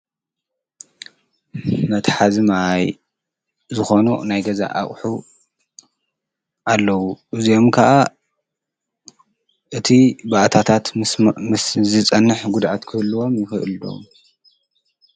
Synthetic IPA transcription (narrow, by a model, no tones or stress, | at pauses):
mɐt̪ħazɨmaj | zɨxo̞nunajɡɐza̰ʔa̰χʼħu | ʔalːɐwuʔɨzijo̞mkʰɐʔa | ʔɨt̪ʰibaʔt̪ʰat̪ʰat̪ | zɨt͡sʼɐnːɨħɡʊd̪ʕat̪kʰɨhlːuwo̞mjɪxɨʔɨldo̞̰m